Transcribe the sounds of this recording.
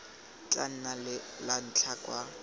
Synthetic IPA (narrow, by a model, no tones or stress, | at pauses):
t͡ɬʼan̩nalɪlan̩t͡ɬʰakʼwa